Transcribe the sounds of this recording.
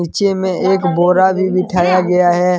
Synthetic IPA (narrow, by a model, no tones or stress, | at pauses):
iːt͡ʃemẽeːkboːɾabʱibɪʈʰaːjaɡɐjaɦɛː